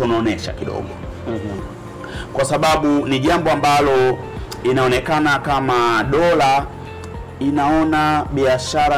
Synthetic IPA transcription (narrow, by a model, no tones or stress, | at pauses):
ɔnaɔnɛʃa̰kiɗɔ̰ɠɔ | kwasaɓaɓuniʄambɔambalɔinaɔnɛkanakamaɗɔla | inaɔnaɓiaʃaɾa